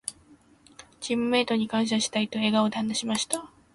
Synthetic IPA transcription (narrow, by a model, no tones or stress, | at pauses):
d͡ʑimːɯ̟me̞ːt̪o̞ɲ̟ikãɰ̃ɕ̬aɕi̥t̪ait̪o̞e̞ːɡaod̪aãnːaɕimaɕi̥t̪a